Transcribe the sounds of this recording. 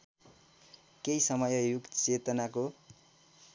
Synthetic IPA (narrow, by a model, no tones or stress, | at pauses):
kejsʌmʌjʌjukt͡set̪ʌnako